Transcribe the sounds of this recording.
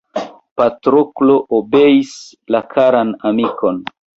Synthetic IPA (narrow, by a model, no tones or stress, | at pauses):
patɾoklo̞ʔobe̞is | lakʰaɾanamiko̞n